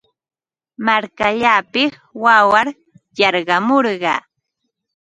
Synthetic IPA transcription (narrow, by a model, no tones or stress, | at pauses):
maɾkaʎaːpɪs | wawaɾ | jɑɾɢɑmoɾɢɑ̰ː